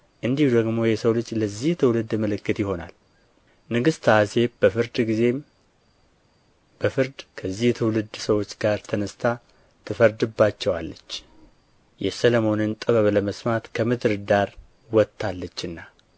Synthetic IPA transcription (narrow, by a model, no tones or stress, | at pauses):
ʔɨnd̪ihud̪əɡmo̞jɛsəwlɨd͡ʒːləzːiht̪ʰɨwlɨd̪məlɨkːɨt̪jɪho̞na̰l | nɨɡɨst̪ʰaase̞bəfɨɾd̪ɡize̞m | b̥əfɨɾd̪kʰəzːiht̪ʰɨwlɨd̪səwo̞t͡ʃːɡaɾt̪ʰənəst̪ʰa | t̪ʰɨfəɾd̪ɨbːat͡ʃːɛwalːət͡ʃː | jɛsəlomo̞nɨnt̪ʼɨβəβləməsmat̪kʰəmɨd̪ɨɾɨd̪aɾ | wɔt̪ʰːalːət͡ʃːɨnːa